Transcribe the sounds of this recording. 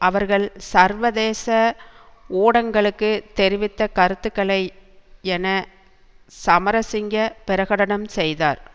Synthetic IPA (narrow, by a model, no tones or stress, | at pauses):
ʔɐʋɐɾɣɐɭsɐɾʋɐðeːsɐ | uːɽɐŋɡɐɭɯkːɯt̪ɛɾɪʋɪt̪ːɐkɐɾɯt̪ːɯkːɐɭɐɪɛnɐ | sɐmɐɾɐsɪŋɡɐpɪɾɐɣɐɽɐɳɐmsɛjðaːɾ